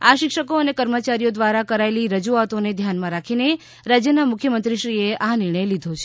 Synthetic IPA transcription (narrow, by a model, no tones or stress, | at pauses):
aʃɪkʃəkoənekəɾmət͡ʃaɾijod̪ʋaɾakəɾaeliɾəd͡ʒuat̪oned̪ʱjanmãɾakʰine | ɾad͡ʒjənamʊkʰjəmənt̪ɾiʃɾieʔanɪɾɳəjlid̪ʱot͡ʃʰe